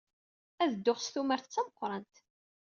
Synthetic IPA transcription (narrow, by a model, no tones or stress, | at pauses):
æðəd̪ːoχsθumæɾθt͡sːæməqʷːɾˤɑnt̪